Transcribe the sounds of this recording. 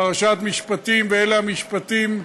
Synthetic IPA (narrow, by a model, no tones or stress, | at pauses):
ʁaʃat̪miʃpat̪imveeleamiʃpat̪im